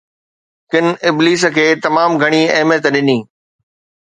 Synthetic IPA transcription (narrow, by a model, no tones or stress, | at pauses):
kɪnɪbliːs̬ə̆kʰeːt̪ɐmaːmɡʱɐɽ̃iɐɦɪmjət̪ɗɪnĩː